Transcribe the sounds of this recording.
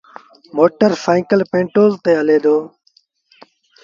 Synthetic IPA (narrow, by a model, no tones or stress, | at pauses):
moːʈəɾfaːĩːkəlpẽːɳʈoːlt̪eːəleːd̪oː